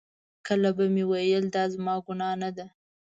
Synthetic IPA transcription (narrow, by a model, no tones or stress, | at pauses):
kəlabamewajəld̪ɑzmɑɡʊnɑnad̪a